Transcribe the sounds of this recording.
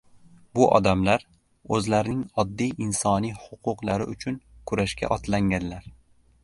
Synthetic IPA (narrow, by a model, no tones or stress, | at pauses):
bʊʔɒ̰d̪amlaɾ | ɵzlaɾɪnɪŋɒd̪ːijɪnsɒnijhʊqʰʊqlˠaɾɪ̰ʔʊt͡ʃʰʊnkʰʊɾaʃkʲa̰ʔɒt̪ʰlaŋɡʲanlaɾ